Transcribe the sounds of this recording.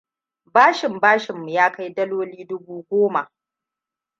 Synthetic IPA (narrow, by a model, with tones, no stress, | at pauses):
baː˦ʃɪ˨mbaː˦ʃɪ˨mːu˨jaː˦ka˦jdɐ˦loː˦liː˦dʊ˦buː˦ɡʷoː˦ma˨ʔ